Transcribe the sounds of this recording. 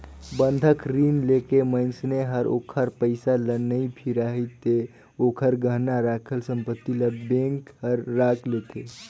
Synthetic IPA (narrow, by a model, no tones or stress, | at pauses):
bənd̪ʱəkɾiːnlekemənsneɦəɾo̰ːkʰəɾpəɪsalənːəipʰiɾaɦit̪e | oːkʰəɾɡʱəɦnaɾakʰəlsə̃mpət̪ːiləbẽŋkhəɾːaːkʰleke